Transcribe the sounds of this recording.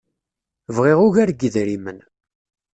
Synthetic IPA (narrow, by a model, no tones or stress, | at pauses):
vʁeʁʊʝæɾɡəðɾimən